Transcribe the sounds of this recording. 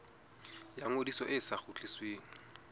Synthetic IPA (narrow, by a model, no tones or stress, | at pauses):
jaŋodisɔʔɪsaχut͡ɬʼɪsweːŋ̩